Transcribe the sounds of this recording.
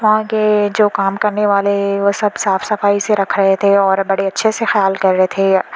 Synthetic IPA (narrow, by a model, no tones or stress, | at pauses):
ʋɐɦãked͡ʒoːkaːmkɐɾneʋaːleeʋoːsɐbsaːfsɐfaːiseɾɐkʰɾɐɦet̪ʰeɔːɾbɐɽeɐtːʃʰesexɐjaːlkɐɾːɐɦet̪ʰe